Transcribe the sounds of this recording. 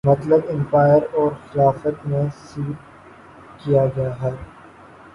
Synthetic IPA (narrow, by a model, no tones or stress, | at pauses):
mɐt̪ləbɪ̃mpaːjəɾɔːɾxɪlaːfət̪mẽsiːʈ̪̚ | kijad͡ʒaːaɦɛː